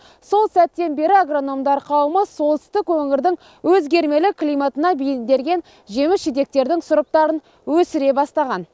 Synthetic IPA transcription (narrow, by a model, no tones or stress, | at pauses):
so̞lˠsæt̪ːe̞nbe̞ɾɪaɡro̞no̞md̪ɑɾqʰɑwəməso̞lˠt̪ə̥st̪ɪkwɵŋɪɾd̪ɪŋ | wɵzɡʲe̞ɾme̞lɪkʰlʲˠijmat̪ənɑbijɪnd̪e̞ɾɡʲe̞n | ʒe̞mɪsʒɪd̪e̞k̚t̪e̞ɾd̪ɪŋsʊɾəp̚t̪ɑɾən | wɵsɪɾe̞bɑst̪ɑʁɑn